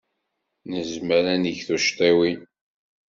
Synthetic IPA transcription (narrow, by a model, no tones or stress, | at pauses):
nəzməɾæniʝθuʃt̪ˤiwi